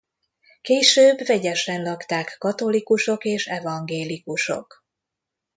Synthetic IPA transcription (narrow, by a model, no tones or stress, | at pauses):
keːʃøːbvɛɟɛʃɛnlɒkt̪aːkːɒt̪o̞likuʃo̞keːʃɛvɒŋɡeːlikuʃo̞̰k